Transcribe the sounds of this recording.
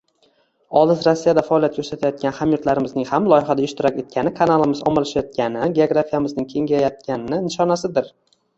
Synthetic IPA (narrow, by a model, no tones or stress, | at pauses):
ɒlˠɪzɾasːijad̪afaɒːlˠjat̪kʰɵɾsat̪ʰajɒt̪̚kʲanhamjʊɾt̪laɾɪmɪznɪŋhamlˠɒjɪχad̪aɪʃt̪ʰʊɾakʲe̞t̪̚kʲʰanɪkʰanalˠɪmɪzɒ̰malaʃajɒt̪̚kʲʰanɪɡʲeoɡɾafijamɪznɪŋkʲʰe̞ŋʲajat̪̚kʲʰanɪnɪnɪʃɒnasɪd̪ɪɾ